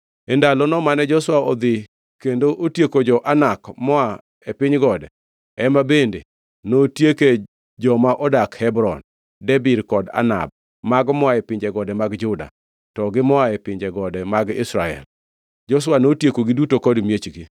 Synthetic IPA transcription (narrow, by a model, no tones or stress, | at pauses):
ɛndalɔnɔmanɛd͡ʒɔswaɔd̪ɪ | kendoʔotjekod͡ʒɔʔanakmɔa | epɪɲɡɔdɛ | ɛmabende | notjeke | d͡ʒɔmaʔɔdakhɛbɾɔn | dɛbɪdkɔda̰na̰b̚ | maɡmɔaepɪɲd͡ʒɛɡɔdɛmaɡd͡ʒʊda̰ | tɔɡɪmɔaepɪɲd͡ʒɛɡɔdɛmaɡɪ̰sɾaɛ̰l | d͡ʒɔs̬wanotjekoɡɪdutokɔdmjet͡ʃɡi